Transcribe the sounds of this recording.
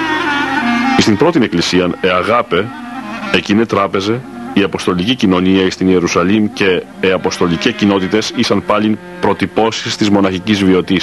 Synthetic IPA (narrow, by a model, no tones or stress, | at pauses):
ist̪imbɾo̞t̪ine̞klisiɐneɐɣɐpe̞ | ecinet̪ɾɐpe̞ze̞ | iɐpo̞st̪o̞licicino̞niɐist̪inie̞ɾusɐlimce̞ː | ɐpo̞st̪o̞licescino̞t̪it̪e̞sisɐnpɐlin | pɾo̞t̪ipo̞sist̪izmo̞nɐçicizvio̞t̪is